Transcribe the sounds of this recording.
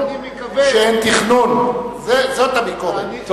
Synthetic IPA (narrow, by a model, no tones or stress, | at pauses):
ʃeent̪iχnunzezot̪abikoʁ